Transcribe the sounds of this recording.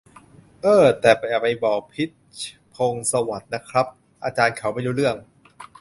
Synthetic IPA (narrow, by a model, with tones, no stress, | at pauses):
ʔɤː˧˩t̪ɛː˨˩pa˧jʔa˧ɾa˧jbɔː˨˩k̚pʰi˦˥t̪̚t͡ɕʰ | pʰo˧ŋsa˧wa˨˩t̪̚na˦˥kʰɾa˦˥p̚ | ʔaː˧t͡ɕaː˧nkʰa˨˩˥wma˥˩jduː˦˥ɾɯ˥˩əŋ